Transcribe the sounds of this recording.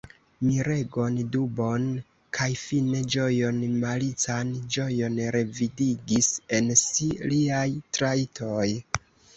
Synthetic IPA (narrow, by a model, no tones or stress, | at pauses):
miɾe̞ɡo̞ndubo̞n | kʰajfine̞d͡ʒo̞jo̞nmalit͡sand͡ʒo̞jo̞nɾe̞vidiɡise̞nsiliajtɾaitʰoj